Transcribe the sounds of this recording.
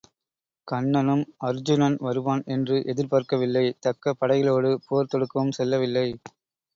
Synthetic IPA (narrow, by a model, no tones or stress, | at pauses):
kɐɳːɐnɯmɐɾd͡ʒɯnɐnʋɐɾɯʋaːnɛndrɯʔɛðɪɾpaːɾkɐʋɪlːɐɪt̪ɐkːɐpːɐɽɐjɣɪloːɽɯpoɐɾt̪ɔɽɯkːɐʋɯmsɛlːɐʋɪlːɐɪ